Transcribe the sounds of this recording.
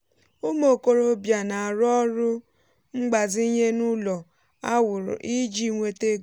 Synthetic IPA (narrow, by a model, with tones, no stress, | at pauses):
o˦mo˨ko˨ɾo˦bja˨na˨a˨ɾɔ˦ɾʊ˦ | ŋ͡m̩˦ɡ͡ba˨zi˦ɲe˦nu˦lɔ˨ | a˦wʊ˨ɾʊ̰˨ʔi˦d͡ʒi˦ŋʷe˦te˦ɡ